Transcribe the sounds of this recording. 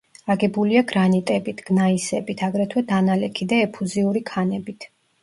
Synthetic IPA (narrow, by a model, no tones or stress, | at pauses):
aɡɛbuliaɡɾanit̪ʼɛbit̪ʰɡ̥naisɛbit̪ʰaɡɾɛt̪ʰwɛd̪analɛkʰid̪aɛpʰuziuɾikʰanɛbit̪ʰ